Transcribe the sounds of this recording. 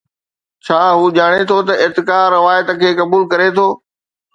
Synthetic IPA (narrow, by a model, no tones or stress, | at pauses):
t͡ɕʰaːɦuːʄaːɽ̃et̪ʰot̪ɐɪt̪ɪkaːɾɪʋaːjət̪ə̆kʰeːkɐbuːlkɐɾet̪ʰoː